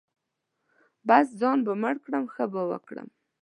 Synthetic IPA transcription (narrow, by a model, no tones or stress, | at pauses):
basd͡zɑnbaməɽkɽəmxəbəwə̰kɽə̰m